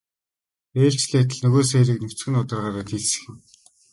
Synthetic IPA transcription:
eːrt͡ɕɮʲiat̪ə̆ɮnɵɣoːs̬eːɮɘ̆knɵxʰt͡sɡɘ̆nʊt̪ə̆rʁaːɾaːt̪iɮsɘ̥̆xɘ̆m

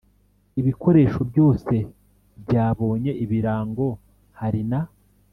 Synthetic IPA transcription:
iβikʰo̞ɾe̞ːʃo̞bɟo̞ːse̞ | bɟaːβo̞ːɲe̞ʔiβiɾaːŋɡo̞ | haɾina

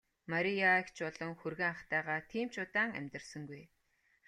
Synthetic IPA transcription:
maɾʲijakt͡ɕpɔɮɞ̆ŋxurɣĕŋaχt̪æːʁaːt̪ʰiːm̥t͡ɕʊt̪aːŋæ̰mʲt̪ə̆rsə̆ŋɡuj

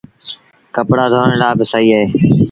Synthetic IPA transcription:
kəpɽaːd̪ʱoːəɳlaːbɪsaːiːaːɦeː

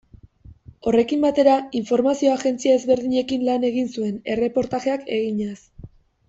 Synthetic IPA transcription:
o̞re̞kimbat̪e̞ɾaiɱfo̞ɾmasio̞aɣe̞nt͡siae̞zβe̞ɾðiɲe̞kinlane̞ɣ̞insue̞ne̞re̞po̞ɾt̪aʝe̞ake̞ɣiɲas

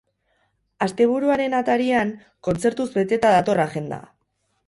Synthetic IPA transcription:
ast̪e̞β̞uɾuaɾe̞nat̪aɾiaŋ | ko̞nt͡se̞ɾt̪uzbe̞t̪e̞t̪aðat̪o̞raʝe̞nd̪a̰

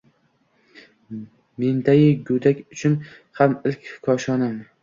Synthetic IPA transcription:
me̞nd̪aɡʲɪɡʊd̪akʲʊt͡ʃʰʊn | hamɪlkʲkʰɒʃɒnam

